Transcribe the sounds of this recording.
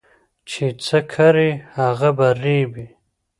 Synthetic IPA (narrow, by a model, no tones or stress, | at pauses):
t͡ʃʰet͡sʰəkʰaɾihaɣabaɾibi